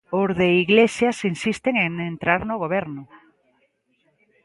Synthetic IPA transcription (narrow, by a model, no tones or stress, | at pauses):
ozðeiɣlesjasinsist̪eŋeŋent̪ɾaɾnoɣoβɛɾnʊ